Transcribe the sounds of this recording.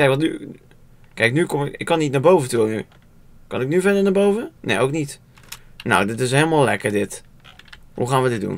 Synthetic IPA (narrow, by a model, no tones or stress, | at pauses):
ɛjkʋɔny | kɛjknykomɪɪkːɔnːitnabowvətuəny̰ | kɑnɪk̚nyvɛdənabowvənḛowknit | no̰wdɪt̬ɪs̬helˠmalˠlɛ̰kərdɪt | hṵxaːnʋədɪt̚dṵn